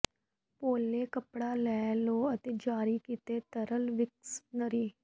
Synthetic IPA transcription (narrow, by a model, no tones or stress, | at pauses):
poːlːekəpɽalɛːloːət̪ed͡ʒaːɾikiːt̪et̪əɾəlʋɪksnəɾiː